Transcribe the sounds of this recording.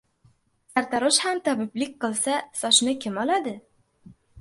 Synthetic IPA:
sæɾt̪ɑɾɤʃhæmt̪ɒbiblɪk̚ʲqɤ̆lˠsasɒʃnɤkɘmɒlˠɑd̪ɘ

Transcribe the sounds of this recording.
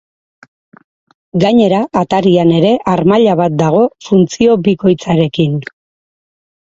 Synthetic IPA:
ɡaɲe̞ɾaːt̪aɾiane̞ɾe̞ʔaɾmaʎaβat̪̚d̪aɣ̞o̞funt͡sio̞βiko̞jt͡saɾe̞kin

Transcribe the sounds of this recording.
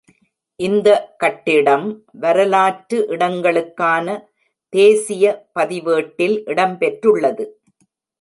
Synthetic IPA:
ʔɪnd̪ɐkɐʈːɪɽɐmʋɐɾɐlaːʈɾɯʔɪɽɐŋɡɐɭɯkːaːnɐ | t̪eːsɪjɐpɐðɪʋeːʈːɪlʔɪɽɐmpɛʈrɯɭːɐðɯ

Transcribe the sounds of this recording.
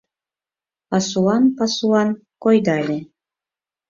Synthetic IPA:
pɑsuɑnpɑsuɑn | kojd̪ɑlʲe

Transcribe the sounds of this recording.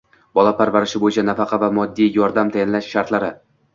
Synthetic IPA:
bɒlˠapʰaɾvaɾɪʃɪbojɪt͡ʃʰanafɑqʰɑvamɒd̪ːijjɒɾd̪amt̪ʰajanlaʃʃaɾt̪laɾɪ

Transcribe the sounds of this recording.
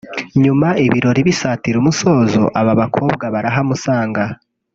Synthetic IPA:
ɲumaiβiɾo̞ɾiβisaːtiɾumuso̞ːzo̰ʔaβaβakʰoːbɡaβaɾaɦamusaːŋɡa

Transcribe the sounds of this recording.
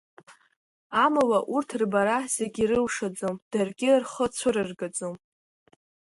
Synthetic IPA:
amawaʔurtʰrbaɾaz̥eɡʲirɨlʂad͡zomd̥arɡʲɪrχət͡sʷʰʊrɨrɡad͡zʼom

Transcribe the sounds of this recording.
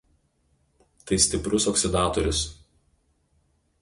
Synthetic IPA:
t̪ɐɪsʲt̪ʲɪpɾʊsɔksʲɪd̪ɑːt̪ɔɾʲʊs

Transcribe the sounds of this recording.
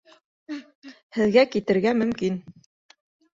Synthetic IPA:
hɘ̆ðɡækit̪ɘ̆ɾɡæmɵ̆mkin

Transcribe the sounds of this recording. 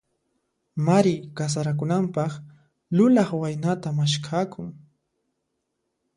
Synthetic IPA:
maɾɪkas̬aɾak̬ʊnampɑχ | lʊlaχwajnat̪amaʃkʰaːkʊŋ

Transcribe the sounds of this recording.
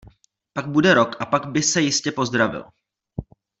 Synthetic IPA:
paɡ̚budɛɾo̞kʔapaɡbɪsɛjɪscɛpo̞zd̪ɾavɪ̰l

